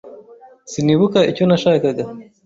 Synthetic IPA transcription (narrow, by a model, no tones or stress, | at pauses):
siniβukaiconaʃaːkaɡa